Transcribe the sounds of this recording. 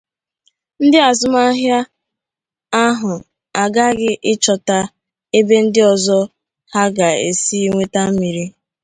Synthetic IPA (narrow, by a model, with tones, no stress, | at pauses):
n̩˦dɪ˦a˨zʊ˦ma˦ɦja˦ | a˦ɦʊ˨ | a˨ɡa˦ɡɪ˦ʔɪ˦t͡ʃɔ˨ta˦ | e˦be˦n̩˦dɪ˦ɔ˨zɔ˦ | ha˦ɡa˨ḛ˨si˦i˦ŋʷe˦ta˦m̩˦mi˨ɾi˦